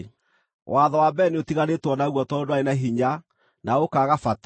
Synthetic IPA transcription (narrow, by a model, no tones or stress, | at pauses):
wʔaðɔwabɛneotiɣanetwɔnaɣwɔtɔdoaenaɦiɲa | naokaɣafat